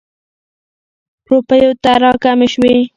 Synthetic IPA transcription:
pɾopəjot̪aɾɑkameʃwe

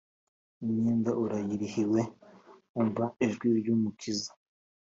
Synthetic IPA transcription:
umɲiːndaʔuɾajiɾihiwe | uɱvaiʒɡwiɾɟuːmukʰizḁ

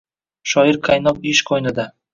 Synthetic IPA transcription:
ʃɒjɪɾqʰajnɒpɪʃqʰojnɪd̪a

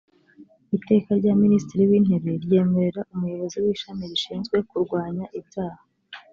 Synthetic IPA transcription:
ite̞ːkaɾɟaːministiɾiwin̥he̞ɾe̞ɾje̞ːme̞ɾe̞ɾaʔumujo̞βo̞ziwiːʃamiɾiʃiːnzɡwe̞kuɾɡwaːɲaʔibɟaːha

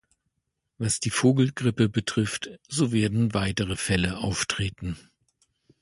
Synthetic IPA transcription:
vasd̥iːfoːɡl̩ɡʁɪpəbətʁ̥ɪftz̥oːveːɐdn̩vaɪtəʁəfɛləʔa̰ʊftʁ̥eːtn̩

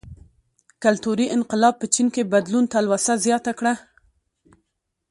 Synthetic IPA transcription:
kalt̪uɾiʔɪnqɪlɑb̚pət͡ʃinkebad̪lunt̪alwasazjɑt̪akɽa

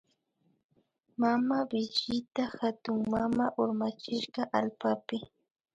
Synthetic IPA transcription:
mamabɪt͡ʃɪt̪axat̪ʊŋmamaʔʊɾmat͡ʃɪʃɢɑʔalpapɪ

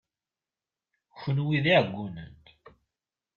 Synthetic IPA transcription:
çənwiðiʕɡʷːunə̰nt̪

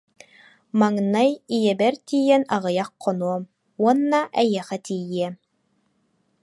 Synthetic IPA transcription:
maŋnajijɛbɛɾt̪ijɛnɑʁɯjɑqːɔnuɔm | uɔnːaʔæjɛχæt̪ʰijiɛ

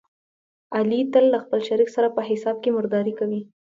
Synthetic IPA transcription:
alit̪əlːaxpəlʃaɾiksaɾapəɦɪsɑb̚kemʊɾd̪ɑɾikawi

